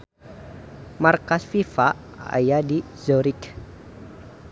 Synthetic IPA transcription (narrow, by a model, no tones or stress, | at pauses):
markasfifa | a̰jadi | zɔɾik